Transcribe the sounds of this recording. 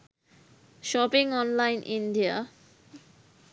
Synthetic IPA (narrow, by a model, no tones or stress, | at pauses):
ʃɔpiŋɔnlajnʔiɳɖia̰